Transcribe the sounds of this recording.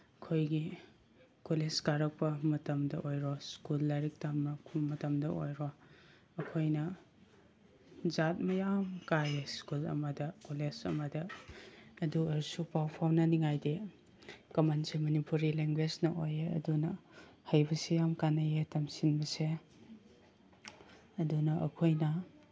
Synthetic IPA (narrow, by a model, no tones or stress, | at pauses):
ɐkʰojɡi | koleskaɾɐk̚pɐmɐtɐmdɐʔojɾoskulːaɾik̚tamːɐmɐtɐmdɐʔo̰jɾo | ɐkʰojnɐ | zat̚mɐjamkajeskulɐ̰mɐdɐkolesɐ̰mɐdɐː | duɐɾsupawpʰawnɐniŋajdi | kɐmansemɐnipuɾileŋɡwed͡ʒnɐʔojeɐ̰dunɐhɐjbɐsejamkanɐjetɐmsinbɐse | ɐdunɐʔɐ̰kʰojnɐ